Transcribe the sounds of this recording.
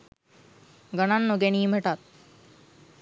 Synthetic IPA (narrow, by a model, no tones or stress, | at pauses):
ɡəɽ̃anːoɡeñiːm̤əʈat̪̚